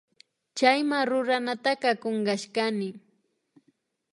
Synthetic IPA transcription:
t͡ʃajmaɾʊɾanat̪akɑkoɴɢɑʃkanɪ

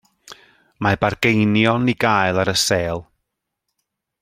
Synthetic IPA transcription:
mabarɡejnjɔniɡaːjlˠaɾəseːlˠ

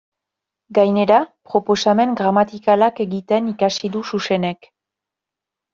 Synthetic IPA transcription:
ɡajne̞ɾapɾo̞po̞same̞ŋɡɾamat̪ikalake̞ɣit̪e̞nikasiðususe̞ne̞k

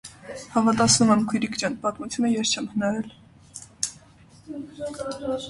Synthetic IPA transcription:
hɑvɑt̪ɑt͡sʰnumɛmkʰujɾikʰt͡ʃjɑnpɑt̪mut͡sʰjunəjɛst͡ʃʰɛmhənɑɾɛl

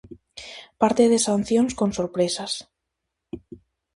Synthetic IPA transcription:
paɾt̪eðesanθjonsko̞nsoɾpɾesas

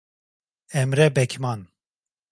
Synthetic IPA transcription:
ɛmɾɛbɛkʲʰmɑn

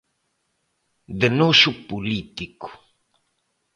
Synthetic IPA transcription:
d̪enoʃupulit̪iku̥

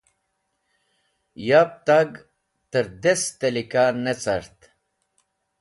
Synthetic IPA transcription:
jap̚t̪aɡ | t̪əɾd̪est̪ɐlikanet͡sɐɾt̪

